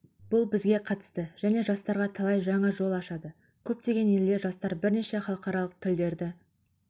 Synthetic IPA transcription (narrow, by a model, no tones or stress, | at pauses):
b̥ʊlˠbɪzɡʲe̞qʰɑt̪ə̥st̪əʒ̥æne̞ʒɑst̪ɑɾʁɑt̪ʰɑlˠɑjʒɑɴɑʒo̞lˠɑʃɑd̪ə | kʲʰɵp̚t̪e̞ɡʲe̞ne̞ld̪e̞ʒɑst̪ɑɾbɪɾneʃe̞χɑlˠəqɑɾɑlˠəq̚t̪ʰɪld̪e̞ɾd̪ɪ